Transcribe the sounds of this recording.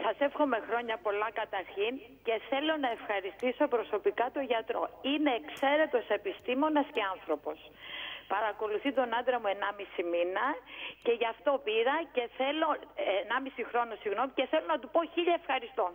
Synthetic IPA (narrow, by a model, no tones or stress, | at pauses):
sɐse̞fxo̞me̞xɾo̞ɲɐpo̞lɐkɐt̪ɐɾçin | ce̞θe̞lo̞nɐe̞fxɐɾist̪iso̞pɾo̞so̞pikɐt̪o̞ʝɐt̪ɾo̞̰ine̞ːkse̞ɾe̞t̪o̞se̞pist̪imo̞nɐsce̞ɐnθɾo̞po̞s | pɐɾɐko̞luθit̪o̞nɐnd̪ɾɐmue̞nɐmisiminɐce̞ʝɐft̪o̞piɾɐce̞θe̞lo̞enɐmisixɾo̞nosiɣno̞mice̞θe̞lo̞nɐt̪upo̞çiʎɐefxɐɾist̪o̞